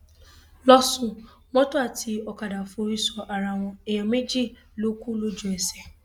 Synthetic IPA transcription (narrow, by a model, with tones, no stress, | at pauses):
lɔ˦sũ˧ | mɔ̃˦to˦a˦˨tʰi˧ɔ˧ka˨da˨fo˧ɾi˧sɔ˨ʔa˨ɾa˧w̃ɔ̃˧ɛ˨j̃ã˨mẽ˦d͡ʒi˦˨ | lo˨˦ku˦lo˦d͡ʒu˦ɛ˨sɛ˨